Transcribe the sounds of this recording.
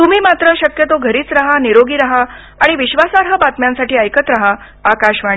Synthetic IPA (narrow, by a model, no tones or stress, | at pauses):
t̪um̤iːmat̪ɾəɕəkjət̪oɡʱəɾiːt͡sɾaɦaniɾoɡiːɾaɦaː | ɽ̃iʋiɕʋasaɾɦəbat̪mjãnsaʈiːəjkət̪ɾaɦaː | kaɕʋa